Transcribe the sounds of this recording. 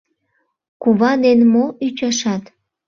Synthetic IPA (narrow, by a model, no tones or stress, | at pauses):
kuβɑd̪enmoyt͡ɕɑʃɑt̪